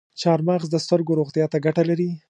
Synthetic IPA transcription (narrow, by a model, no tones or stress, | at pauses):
t͡ʃɑɾmɑɣzd̪əst̪əɾɡoɾoɣt̪jɑt̪aɡaʈalaɾi